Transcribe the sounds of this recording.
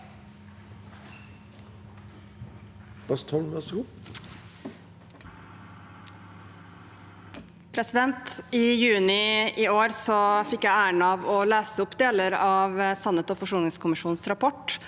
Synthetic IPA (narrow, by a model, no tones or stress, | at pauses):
b̥ɑst̪ʰɔlʋæsɡuː | pʰɾɛsɪd̪ɛnt̪iːjʉːnɪiːoːɾsɔfɪkːjæɪæːəɳəɑːʋɔːlæːsəʊpd̪eːləɾɑːʋəsɑnət̪oːfɔʂuːnɪŋskʰʊmɪʃuːn̩sɾɑpʰɔʈ